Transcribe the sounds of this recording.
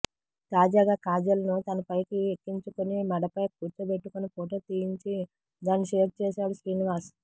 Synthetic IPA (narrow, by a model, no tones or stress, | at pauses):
t̪aːd͡ʒaːɡaːkaːd͡ʒɐlɐnut̪ɐnɐpɐjkiekːiɲt͡ʃukonimɐɽɐpɐjkuːt͡ʃɐbeʈːukunipoːʈ̬ɐt̪ijiɲt͡ʃi | d̪aːnːiʃeːʈ̚t͡ʃɛːsaːɽusɾiːniʋaːɾs